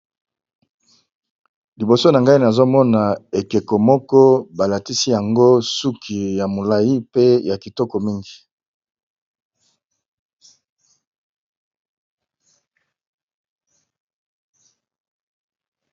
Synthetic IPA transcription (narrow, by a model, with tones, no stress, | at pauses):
li˨bo˨so˦na˨ŋɡa˦i˦na˨zo˦mɔ˦na˨e˨ke˨ko˨mɔ˦kɔ˦ba˨la˨ti˦si˦ja˨ŋɡo˦su˦kʰi˨ja˨mo˨la˨ji˦pe˦ja˨ki˨tɔ˦kɔ˨mi˦ŋɡi˨